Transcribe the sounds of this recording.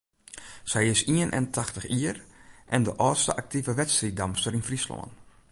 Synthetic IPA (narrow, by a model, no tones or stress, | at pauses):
sɛjɪsiənʔɛ̰ntʰaxtəxiərʔɛndəʔɔːtstəʔak̚tivəʋɛtstridamstəɾinfrislo̰ən